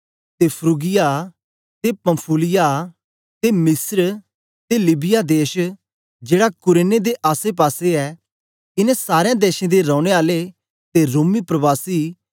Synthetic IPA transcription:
t̪epʰɾuːɡɪja | t̪epɐ̃mpʰulɪja | t̪emɪsɾ | t̪elɪbɪjad̪eːʃ | d͡ʒeːɽakʊɾeːned̪eʔaːsep̬aːseɛː | ɪnɛ̃saːɾejãd̪eːʃẽd̪eɾɔ̃ːʊɽ̃eaːle | t̪eɾoːmipɾəbaːsiː

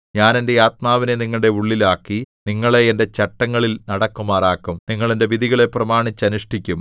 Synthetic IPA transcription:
ɲaːne̞nde̞aːt̪̚maːʋineniŋːɐɭɽe̞uɭːilaːkːiniŋːɐɭeende̞t͡ɕɐʈːɐŋːɐɭilnɐɽɐkːumaːraːkːumniŋːɐɭende̞ʋiðiɣɐɭe̞prɐmaːɳit͡ɕːɐnuʂʈikʲːum

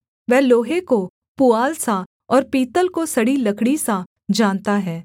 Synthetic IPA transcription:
ʋɛːloːɦeko | puaːlsa | ɔːɾpiːt̪əlkosɐɽilɐkʰɽisa | d͡ʒaːnt̪aɦɛː

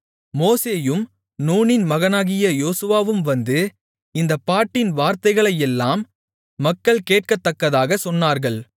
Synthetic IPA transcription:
moːseːjɯm | nuːnɪnmɐɣɐnaːɣɪjɐjoːsɯʋaːʋɯmʋɐnd̪ɯ | ɪnd̪ɐpːaːʈːɪnʋaːɾt̪ɐɪɣɐɭɐjɛlːaːmː | ɐkːɐɭkeːʈ̚kɐt̪ːɐkːɐðaːɣɐsɔnːaːɾɣɐɭ

